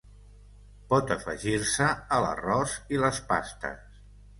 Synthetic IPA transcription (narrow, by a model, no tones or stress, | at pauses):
pɔt̪əfə̰ʒiɾsəːlə̰rɔziləspa̰st̪ə̰s